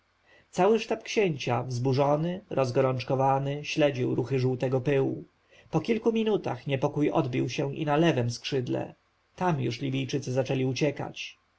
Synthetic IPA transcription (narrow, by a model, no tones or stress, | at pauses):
t̪sawɘʂt̪apkɕeɲt͡ɕavzbuʐɔnɘɾʔɔzɡɔɾɔnt͡ʂkɔvanɘɕlɛd͡ʑiwɾuxɘʐuwt̪ɛɡɔpɘwu | pɔkʲilkumʲinut̪a̰xɲɛpɔkujɔ̰d̪bʲiwɕɛ̃ʔḭnalɛvɛmskʂɘd̪lɛ̰ | t̪amjṵʂlʲibʲijt͡ʂɘt̪sɘzat͡ʂɛlʲiut͡ɕɛka̰t͡ɕ